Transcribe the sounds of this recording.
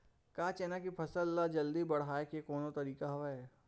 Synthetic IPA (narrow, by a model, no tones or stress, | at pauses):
kaːt͡ʃɛːnakipʰɐsəlːad͡ʒɐld̪ibɐɽ̤aːekekoːnot̪ɐɾiːkaɦʋaɛː